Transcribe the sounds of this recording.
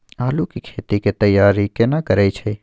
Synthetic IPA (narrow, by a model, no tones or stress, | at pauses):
aːlukikʰeːt̪iket̪əjːaːɾikenakəɾeit͡ʃʰe